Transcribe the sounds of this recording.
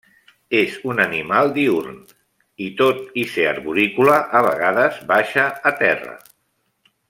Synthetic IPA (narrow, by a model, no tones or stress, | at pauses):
ezunənimalˠd̪iuɾn | it̪ot̪iseaɾβuɾikulaʔːβə̰ɣaðəzβaʃəːt̪ɛrə̰